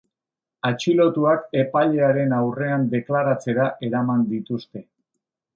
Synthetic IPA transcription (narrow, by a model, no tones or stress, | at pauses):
at͡ʃilo̞t̪uake̞paʎe̞aɾe̞nawre̞and̪e̞klaɾat͡se̞ɾaʔe̞ɾamand̪it̪ust̪e̞